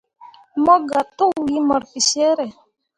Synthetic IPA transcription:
mɔ˦ɡa˨t̪o˦wi˦mɔ˨ɾfi˨sɛ˦ɾɛ˨

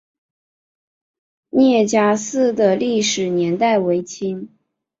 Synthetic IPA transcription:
njɛ˥˩t͡ɕja˥sɹ̩˥˧d̪ə˩li˥˩ʂɻ̩˨˩njɛ˧˥nt̪a˥˩ɪwe˧˥ɪt͡ɕʰi˥n

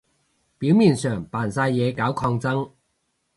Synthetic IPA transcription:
piː˨˥wmiː˨˩nsœː˨˩ŋpaː˨˩nsaː˧jːɛː˨˧kaː˨˥wkʰɔː˧ŋt͡sɐ˥ŋ

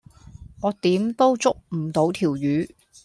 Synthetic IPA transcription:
ɔː˨˧t̪iː˨˥mt̪o˥wt͡sʊ˥k̚m̩˨˩t̪o˨˥wt̪ʰiː˨˩wjyː˨˥

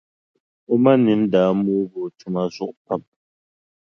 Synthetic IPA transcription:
o˦ma˦ni˨˦mdaː˨˦mu˦bo˨tʰu˦ma˦zu˦˨ʔpa˦˨p̚

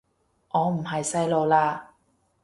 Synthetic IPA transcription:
ŋɔː˨˧m̩˨˩ɦɐ˨jsɐ˥jlo˨˧wlaː˧

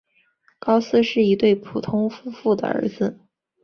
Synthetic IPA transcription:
kɑ˥ʊsɹ̩˥ʂɻ̩˥˩i˧˥t̪we˥˩ɪpʰu˨˩t̪ʰʊ˥ŋfu˥fu˥˩d̪ə̰˩ə̰˞˧˥d͡zɹ̩˧

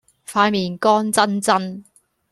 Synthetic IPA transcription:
faː˧nmiː˨˩nkɔː˥nt͡sɐ˥nt͡sɐ˥n

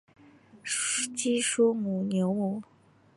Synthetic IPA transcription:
t͡ɕi˥ʂu˥mu˨˩njo˧˥ʊmu˨˩˦

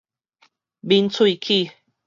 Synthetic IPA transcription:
bi˧nt͡sʰwui˦˥˧kʰi˥˧˨

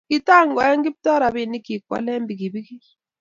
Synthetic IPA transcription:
ki˦ta˦˨ŋɡɔ˨ɛ˦ŋɡɪ˦p̚tɔ˦ɾa˨bɪ˨ni˦ki˨kwa̰˦lɛ˦mbi˨ki˨bi˦ki˦

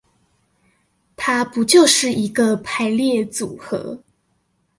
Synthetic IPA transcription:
t̪ʰa˥pu˧˥t͡ɕjo˥˧ʊʂɻ̩˥˩i˧˥ɡə˧pʰa˧˥ɪljɛ˥˩t͡su˨˩xɤ̰˧˥

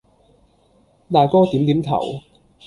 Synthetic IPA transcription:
t̪aː˨jkɔː˥t̪iː˨˥mt̪i˨˥mt̪ʰɐ̰˨˩w

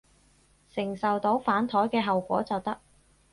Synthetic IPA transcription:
sɪ˨˩ŋsɐ˨wt̪o˨˥wfaː˨˥nt̪ʰɔː˨˥jkɛː˧ɦɐ˨wkʷɔ̰ː˨˥t͡sɐ˨wt̪ɐ˥k̚

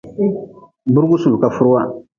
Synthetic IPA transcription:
bu˦ɾu˦ɡu˦su˨lu˨ka˨fu˦ɾo˦wa˦

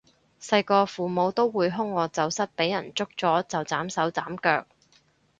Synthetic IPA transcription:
sɐ˧jkɔː˧fuː˨mo˨˧wt̪o˥wːuː˨˧jɦʊ˥ŋːɔː˨˧t͡sɐ˨wsɐ˥t̚pe˨˥jːɐ˨˩nt͡sʊ˥k̚t͡sɔː˨˥t͡sɐ˨wt͡saː˨˥msɐ˨˥wt͡saː˨˥mkœː˧k̚

